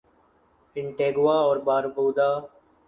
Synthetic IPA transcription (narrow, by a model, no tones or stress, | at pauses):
ɪɳʈeːɡaːɔːɾbaːɾboːd̪aː